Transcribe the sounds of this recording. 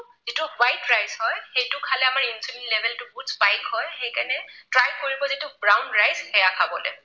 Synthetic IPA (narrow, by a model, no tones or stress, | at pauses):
zitʊwajtɹajzɦɔjxejtʊkʰalɛamaɹinsulinlɛbʱɛltʊbuzbajkhɔjxejkanɛtɹajkoɹibɔzitʊbɹawnɹajzhɛjakʰabɔlɛ̰